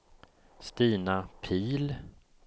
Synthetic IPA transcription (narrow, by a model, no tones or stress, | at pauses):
st̪iːnapʰiːl